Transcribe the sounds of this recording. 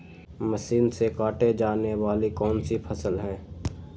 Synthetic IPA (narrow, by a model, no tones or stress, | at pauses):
məsiːnsekaːʈed͡ʒaːneʋaːlikɔːnsipʰəsəlɦɛ̃ː